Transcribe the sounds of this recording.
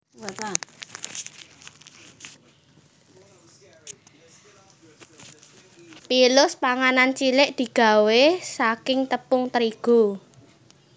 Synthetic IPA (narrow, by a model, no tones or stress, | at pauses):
pilʊspaŋanant͡ʃilɪʔd̪̥i̤ɡ̥a̤wesakɪŋt̪əpʊŋt̪əɾiɡ̥o